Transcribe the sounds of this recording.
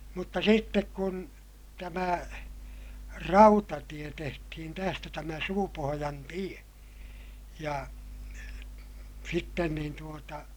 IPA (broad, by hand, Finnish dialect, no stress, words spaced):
mutːɑ sitːek kun tæmæ rɑutɑtie tehtihin tæstæ tæmæ suːpohojɑn tie jɑ sitːen niːn tuotɑ